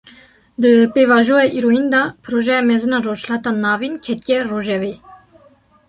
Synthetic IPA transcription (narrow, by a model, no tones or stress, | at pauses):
d̪əpevɑʒuɛʔiɾoind̪ɑpʰɨɾoʒɛjɑmɛzɨnɑrot͡ʃlat̪ɑnɑːvinkʰɛt̪̚kʲɛroʒɛve